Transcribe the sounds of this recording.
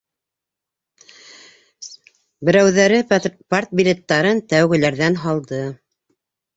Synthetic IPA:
bɘ̆ɾæwðæɾɘpaɾt̪̚bʲilʲet̪ːɑɾɤnt̪æwɡɘ̆læɾðænɦɑlˠd̪ɤ

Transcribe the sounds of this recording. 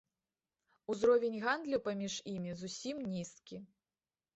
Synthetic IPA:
uzɾɔvʲenʲɣand̪lʲupamʲiʐjimʲizusʲimnʲist̪kʲi

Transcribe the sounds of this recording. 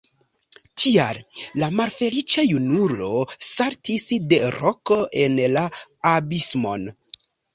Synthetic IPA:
tʰia̰llamalfe̞lit͡ʃajunulo̞saɾtisde̞ɾoko̞ʔe̞nlaːbismo̞̰n

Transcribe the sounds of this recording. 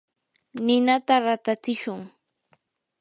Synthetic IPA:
nɪnat̪aɾat̪at͡sɪʃʊŋ

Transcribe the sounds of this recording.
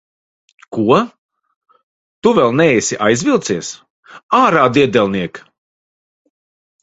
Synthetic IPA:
kuɔ | t̪uvʲɛlˠnɛɛjsʲiʔajzʲvʲilˠt̪siɛs | aːɾaːd̪iɛd̪ɛlˠniɛk

